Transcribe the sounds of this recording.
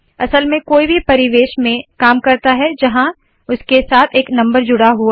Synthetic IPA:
ɐ̰səlmẽkoːibʱipɐɾɪʋeːʃmẽkaːmkɐɾt̪aɦɛd͡ʒɐɦã | ʊskesaːt̪ʰeːknɐ̃mbəɾd͡ʒʊɽaɦuaː

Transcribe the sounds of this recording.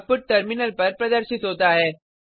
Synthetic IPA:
pʊʈ̚ʈɐɾmɪnəlpɐɾpɾɐd̪əɾʃɪt̪ɦoːt̪aɦɛː

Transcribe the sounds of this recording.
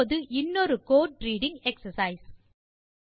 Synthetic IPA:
ðɯʔɪnːɔɾɯkoːʈ̚ʈɾiːɽɪŋɛksɐsɐɪs

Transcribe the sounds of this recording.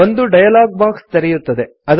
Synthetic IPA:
ond̪uɖɐjɐlaːɡ̚baːkst̪ɐɾɛjut̪ːɐd̪e̞ | ɐd̪

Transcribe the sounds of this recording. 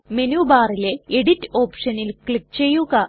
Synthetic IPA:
menuːbaːrileeɽitːo̞ːpʂɐnilkɭik̚t͡ɕe̞jːuɣɐ

